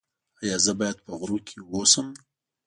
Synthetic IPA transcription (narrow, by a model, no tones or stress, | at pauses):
ajɑzəbɑjad̪̚pəɣɾukʰewosəm